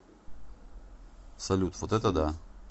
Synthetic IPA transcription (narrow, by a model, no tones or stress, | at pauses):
salut̪fot̪ɛt̪ad̪a